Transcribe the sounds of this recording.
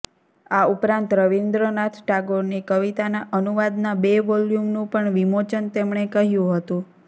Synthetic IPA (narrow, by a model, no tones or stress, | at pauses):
aupɾãnt̪ɾəʋind̪ɾənat̪ʰʈaɡoɾnikəʋit̪anaʔənuʋad̪nabeʋɔljumnũpəɳʋimot͡ʃənt̪emɳ̃ekəɦjũɦət̪ũ